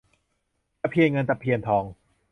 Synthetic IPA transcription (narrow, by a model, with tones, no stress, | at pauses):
t̪a˧˥pʰi˧ənŋɤ˧nt̪a˧pʰːi˧ənt̪ʰɔː˧ŋ